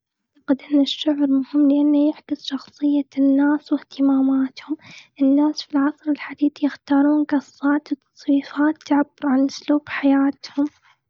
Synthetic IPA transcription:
aʕt̪aqɪd̪ʔɪnːaʃːʊʕɾmʊhɪmːlɪʔanːajɪħkɪsˤʃɑxsˤɨjːanːaːswɪht̪ɪmaːmaːt̪hʊmʔɪnːaːsfilʕɑsˤɾɪlħad̪iːdjɪxt̪ɑːɾˤuːnɡɑsːɑːt̪wt̪ɑ̥sˤwiːfaːt̪ːaʕabːʊɾʕanʔʊsluːbħajaːt̪hʊm

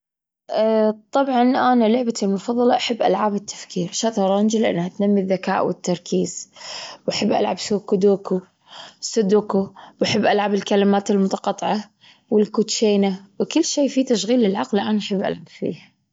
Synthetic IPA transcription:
ʔt̪ˤːɑbʕɑnʔanalʊʕbat̪ilmʊfɑðˤːɑlɑʔaħɪbːʔa̰lʕaːbɪt̪ʰːḁfkʰiːɾʃat̪ɑɾˤɑnd͡ʒɪlʔa̰nːhat̪namːiðːakaːʔwɪ̰t̪ːɑɾˤkʰiːz̥wʔaħabːʔa̰lʕabsuːkud̪uːku | sɨd̪uːkuwʔaħɪbːʔalʕabɪlkalɪmaːt̪ɪlmʊt̪ɑ̥qɑt̪ˤːʕɑ | wɪlkut̪ʃeːnawkɪlːʃeːfit̪aʃɣiːlɪlʕɑqlʔanaʔaħɪbːʔa̰lʕabfḭːh

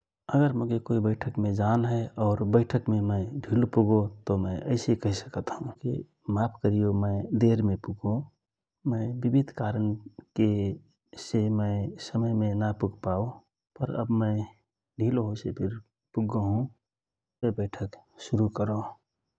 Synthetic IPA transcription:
əɡəɾmʊɡekoibəɪʈʰəkmẽd͡ʒanɦɛɔːɾbəɪʈʰəkmemə̃ɪɖʱilopuɡõt̪omə̃ɪʔəɪsekəɦisəkət̪ɦũkḭ | mapʰkəɾijomə̃ɪd̪eɾmepuɡõ | mə̃ɪbibid̪ʱkaɾənke | semə̃ɪsəməjmenapuɡpao | pəɾə̰bmə̃ɪ | ɖʱiloɦosepʰiɾ | puɡoɦũ | ebəɪʈʰəkʃuɾukəɾo

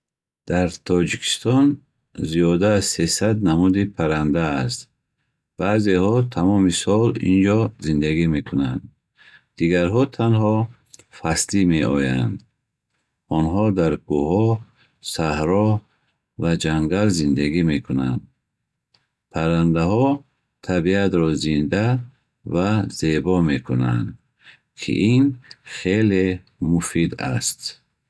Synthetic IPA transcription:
d̪̥aɾt̪ʰɔd͡ʒikʰi̥st̪ɔn | ziɔd̪aːzsesad̪namud̪ipʰaɾand̪aːst̪ | b̥azehɔt̪ʰamɔmisɔlḭnd͡ʒɔzind̪aɡime̞kʰunand̪ | d̪̥iɡaɾɦɔt̪ʰanhɔ | fast̪ime̞ɔja̰nd̪ | ɔnɦɔd̪aɾɡuɦɔ | sahɾɔ | vad͡ʒaŋɡalzind̪aɡimekʰunand̪̚ | pʰaɾand̪aɦɔ | t̪ʰabiat̪ɾɔzind̪a | vaz̥ebɔmekʰuna̰nd̪ | kʰḭʔinχele | mufid̪a̰st̪

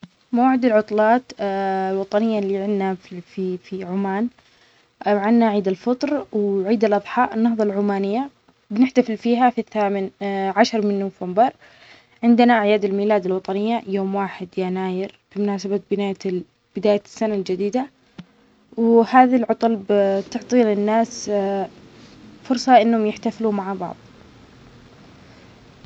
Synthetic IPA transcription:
mawaːʕɪd̪alʕʊt̪ˤlɑːt̪lwɑt̪ˤɑnɪjːalːiʕɪnːafifiʕʊmaːn | ʕɪnːaʕiːd̪alfɨt̪ˤɾˤwʕiːd̪alʔɑðˤħɑːʔɪnːɑhðˤɑlʕʊmaːnɪjːa | bɪnɪħt̪afɪlfiːɦafiθːaːmɪnʕaʃɑɾˤmɪnːuːvambɑɾˤ | ʕɪnd̪ɪnaʔʕjaːd̪ɪlmiːlaːd̪ɪlwɑt̪ˤɑnɪjːajoːmwaːħɪd̪janaːjɪɾb̥ɪmʊnaːsababɪnaːja | b̥ɪd̪aːjasːanald͡ʒad̪iːd̪a | whaːðalʕʊt̪ˤɑlbt̪ʊʕt̪ˤiːlɪnːaːs | fʊɾsˤɑʔɪnːhʊmjɪħt̪afluːmaʕabɑ̰ʕðˤ

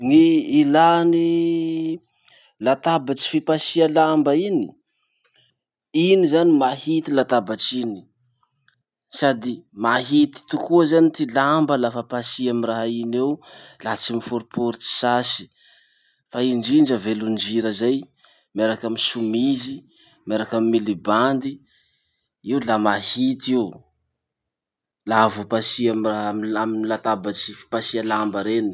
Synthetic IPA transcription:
ŋiːlani | lat̪abat͡si̥fipasialambaini | inizanimahit̪ilat̪abat͡sini̥ | sad̪imaɦit̪i̥t̪ukuəzanit̪ilambəlafapasiamiraɦainewlat͡simifuɾupʰuɾit͡si̥sasi̥ | faind͡ʒiɳd͡ʒəvelund͡ʒiɾəzaj | meɾakamisumizi | meɾakamimiliband̪i | iwlamahit̪iu | lavopasiamiraɦmaminilat̪abat͡sifi̥pasialambəɾeni̥

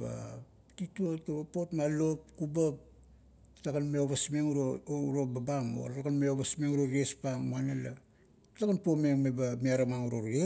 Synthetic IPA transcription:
ba̰ | tituotobapo̞tmalo̞p̚kubap̚ | taɡanmeoβasmeŋuɾoɾobabamo̰aɡanmeoβasmeŋuɾoɡespaŋmuanela | taɡanpome̞ŋmebamiaɾamaŋuɾoɾe

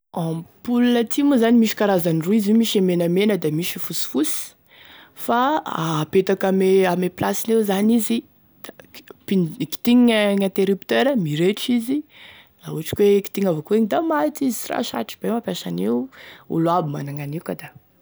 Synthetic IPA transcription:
ampulunət̪ʰimuzanimiʃi̥kaɾazaniruizimiʃemenamenəd̪amiʃifusi̥fusi̥ | faapet̪akameameplasinewzanizi | d̥apinki̥t̪iɲŋãnt̪eɾipt̪eɾəmiɾeʈ͡ʂizi | auɦaʈ͡ʂi̥kweki̥t̪iŋavokueɲid̪amat̪izi̥sira̰ʃa̰ʈ͡ʂi̥b̥emapjasaneṵluabimanaŋanikad̪a

